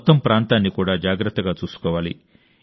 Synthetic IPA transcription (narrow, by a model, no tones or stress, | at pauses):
t̪ːɐmpɾaːnt̪aːnːikuːɽaːd͡ʒaːɡɾɐt̪ːɐɡaːt͡ʃuːsu̥kɔːʋaːlḭ